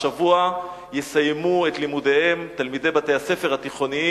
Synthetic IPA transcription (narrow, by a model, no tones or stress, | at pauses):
avua | jesajmuet̪limudehemt̪almid̪e̞jbat̪ejase̞fe̞ʁhat̪iχo̞ni